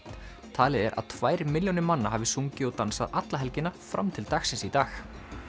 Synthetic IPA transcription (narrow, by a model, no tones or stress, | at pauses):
t̪ʰaːlɪðɛɾʔa̰ð̥t̪ʰvaːjɾmɪljɔnɪmanːaɦavɪsuɲcɪɔwt̪ansaðat̪laɦɛlcɪnafɾa̰mt̪ʰɪlt̪axsɪnsit̪aːx